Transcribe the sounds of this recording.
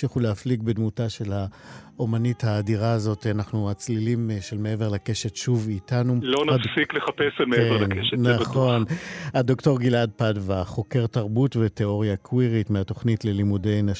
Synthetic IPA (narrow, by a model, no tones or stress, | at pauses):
iχuleafliɡ̚bedmutaʃe̞lhaʔomanithaːdiʁaːzo̞tanaχnuat͡slilimʃelmee̞veʁlake̞ʃetʃuvitanulonadfsikleχapeselmeelankeʃenaaχo̞nadokto̞ʁɡilad̚padvaχo̞keʁtaʁbutvete̞o̞ʁjakʰwiʁitmeato̞χnitlelimude̞jna